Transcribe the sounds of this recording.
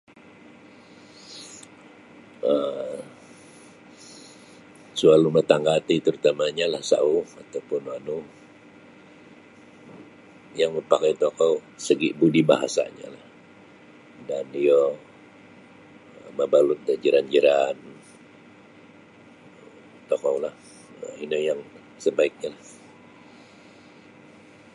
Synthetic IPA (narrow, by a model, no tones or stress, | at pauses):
ə | sualumət̪aŋɡat̪it̪əɾut̪amaɲalahsa̰uat̪awpʊnwanu | jaŋməpakajt̪okawsəɡiʔbudiba̰ɦa̰sa̰ɲa̰lah | daniɔ | əməbalʊt̪̚dad͡ʒəɾand͡ʒəɾan | t̪ɔkɔwlah | əinəjaŋ | səbaɪk̚ɲalah